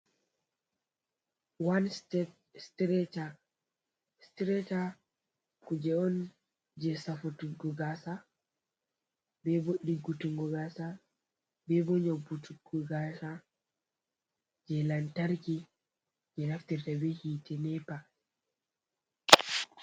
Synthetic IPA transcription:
wanstɛ | stɾɛta | stɾɛta | kud͡ʒɛɔn | d͡ʒɛsafutuɡɔɡasa | bɛboɗːiɡutuŋɡɔɡasa | bɛbɔɲɔbutuɡɔɡasa | d͡ʒɛlantaɾki | d͡ʒɛnaftiɾtabɛhitɛnɛpa

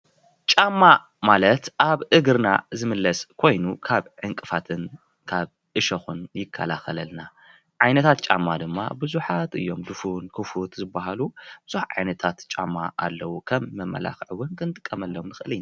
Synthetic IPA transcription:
t͡ʃʼamːa | malɐt̪ʔaβʔɨɡɨɾna̰zɨmɨlːɐskʰo̞jnukʰaβʕɨŋkʼɨfat̪ʰɨn | kʰaβ | ʔɨʃɐxunjɪkʰːa̰laxɐlɐlna | ʕajnɐt̪ʰat̪̚t͡ʃʼa̰mːad̪ɨmːa̰bɨzuħat̪ɨ̰jːo̞md̪ɨfunkʰɨfut̪zɨbːaɦalub̥ɨz̥uħʕa̰jnɐt̪ʰat̪t͡ʃʼa̰mːa̰ʔa̰lːɐwukʰɐmːɐmːɐ̰la̰xʕɨwːʊnkʰɨnɨt̪ʼɨkʼːɐmɐlːomnɨxɨlina

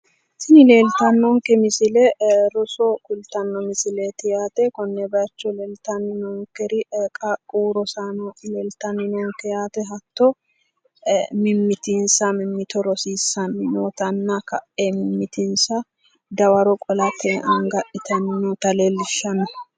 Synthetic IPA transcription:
sɪnɪle̞ːlt̪ɐnːɔŋkɛmɪsɪlɛɾɔsɔkʊlt̪ɐnːɔmɪsɪlet̪ɪjaːt̪ɛkɔnːɛbɛɐt͡ʃːɔleːlt̪ɐnːɪnɔŋkɛɾɪkʼɐkʼuːɾɔsanɔleːlt̪ɐnːɪnɔŋkɛjaːt̪ɛɦɐt̪ːɔ | mɪmːɪt̪ɪnsɐmɪmːɪt̪ɔɾɔsiːsːɐnːɪnoːt̪ɐnːɐkɐʔemɪmːɪt̪ɪnsɐ | d̪ɐwɐɾɔkʼɔlɐt̪ʰɛʔɐŋɡɐʔɪt̪ɐnɪnɔt̪ɐleːlːɪʃːɐnɔ

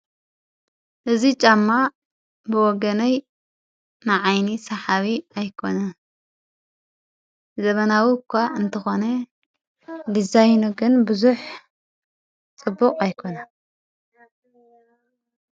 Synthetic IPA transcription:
ʔɨzit͡ʃʼamːa | bɨwɔɡɐnɐj | nɨʕajnisɐħaβiajkʰo̞nɐ | zɐβɐnawikʰʷːaʔɨnt̪ʰɐxonɐ | d̪izajnuɡɨnbɨzuħ | t͡sʼɨbːukʼajkʰo̞na

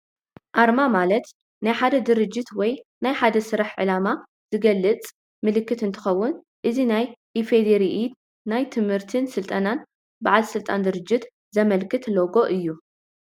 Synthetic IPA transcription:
ʔaɾmamalɐt̪ | najħad̪ɐd̪ɨɾɨd͡ʒːɪt̪wɔjnajħad̪ɐsɨɾaħʕɨlama | z̥ɨɡɐlːɨt͡sʼ | mɨlɨkːɨt̪ɨnt̪ʰɨ̥xɐwːʊn | ʔɨzinajʔifed̪eɾiʔid̪ | najt̪ʰɨmhɨɾt̪ʰɨnsɨlt̪ʼɐnan | baʕalsɨlt̪ʼand̪ɨɾɨd͡ʒːɪt̪ | zɐmɐlkʰɨt̪loɡo̞ʔɨjːu

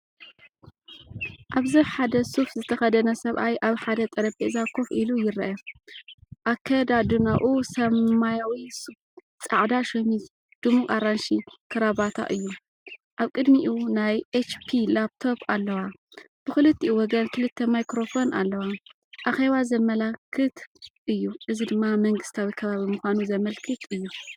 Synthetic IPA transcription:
ʔaβzɨħad̪ɐsufzɨt̪ʰɐxɐd̪ɐnɐsɐβʔajʔaβħad̪ɐt̪ʼɐɾɐbezakʰo̞fʔilujɪɾɐʔɐ | ʔakʰɐd̪ad̪unaʔusɐmajawisuf | t͡sʼaʕd̪aʃomiz | d̪̥umukʼaɾanʃikʰɨɾabat̪ʰa̰ʔɨjːu | ʔaβkʼɨd̪miʔunajʔet͡ʃpʰilap̚t̪ʰo̞palːɐwa | b̥ɨxɨlɨt̪ʰːiwɔɡɐnkʰɨlɨt̪ʰːemajkɾofo̞nalːɐwa | ʔaxe̞βazɐmːɐlɐkʰːɨt̪ʔɨjːuʔɨzid̪ɨmːamɐŋɡɨst̪ʰawikʰɐβaβimɨxʷanuzɐmɐlkʰɨt̪ʰɨjːu

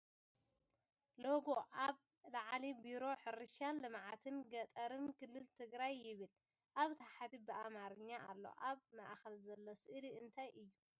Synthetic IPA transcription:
loɡo̞ʔaβ | laʕlibiɾo̞ħɨɾɨʃanlɨmʕat̪ʰɨnɡɐt̪ʼɐɾɨnkɨlːɨlt̪ʰɨɡɾajːɪβɨl | ʔaβt̪ʰaħat̪ibɨʔamaɾɨɲːaalːo̞̰ʔaβmaʔxɐlzɐlːo̞sɨʔɨliʔɨnt̪ʰajʔɨjːu

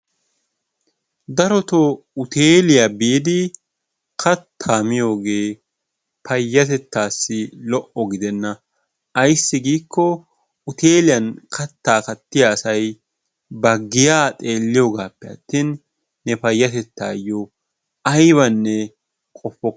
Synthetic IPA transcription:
d̪ɐɾɔt̪ɔ | ʊt̪eːlɪjabiːd̪ɪ | kʰɐt̪ʰːaːmɪjo̞ːɡe̞ː | pʰɐjːɐt̪ɛt̪ːaːsːɪlɔʔɔɡɪd̪ɛnːɐ | ɐjsːɪɡiːkʰːɔ | ʊt̪eːlɪjɐnkʰɐt̪ːaːkɐt̪ːɪjaːsɐj | bɐɡːɪjaːt̪ʼe̞ːlːɪjoːɡaːpːɛɐ̰t̪ːiːnː | ɛpɐjːɐt̪ɛt̪ːa̰ːjːɔ | ɐjβɐnːɛ | kʼɔfːɔ

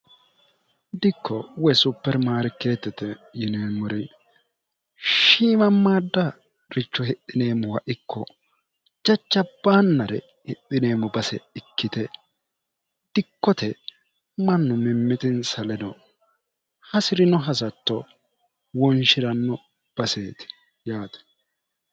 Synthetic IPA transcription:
d̪ɪkʰːɔwɔjsʊpːɛɾmaːɾɪkːe̞ːt̪ːɛt̪ɛjɪneːmːʊɾɛ | ʃiːmɐmːaːd̪ːa | ɾɪt͡ʃːɔhɪʔːɪne̞ːmːʊwɐʔɪkːɔ | d͡ʒɐt͡ʃːɐb̥aːnːɐɾɛ̰ | hɪʔɪne̞ːmʊbɐsɛ̰ɪkːɪt̪ɛ | d̪̥ɪkːɔt̪ɛ | mɐnːʊmɪmːɪt̪ɪnsɐlɛdɔ | hɐsɪɾɪnɔɦɐsɐt̪ːɔ | wɔnʃɪɾɐnːɔ | b̥ɐse̞ːt̪ɪ̥ | jaːt̪ɛ̥

